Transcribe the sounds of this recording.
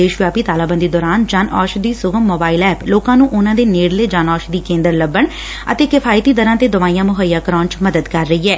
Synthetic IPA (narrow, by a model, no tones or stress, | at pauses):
eːʃʋjaːpiːt̪aːlaːbə̃nd̪iːd̪ɔːɾaːnd͡ʒaːnɔ̰ːʃd̪iːsʊɡəmːoːbaːiːlɛːploːkãːnũːʔʊnãːd̪eːneːɽleːd͡ʒaːnɔːʃd̪iːkẽːnd̪əɾləbːəɳ | ə̰t̪eːkɪpʰaːɪt̪iːd̪əɾãːt̪eːd̪əʋaːijãːmʊɦəjaːkəɾaːnt͡ʃməd̪əd̪kəɾːəiːɛː